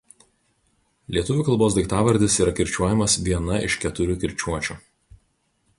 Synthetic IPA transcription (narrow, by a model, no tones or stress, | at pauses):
lʲiɛʊʋʲʊːkɐlˠboːsd̪ʲɪkt̪ɑːʋɐɾʲd̪ʲɪsiːɾɐkʲɪɾʲt͡ʃʲuɔjɛmɐsʋʲiɛnɐɪʃkʲɛt̪ʊɾʲuːkʲɪɾʲt͡ʃʲuɔt͡ʃʲuːˑ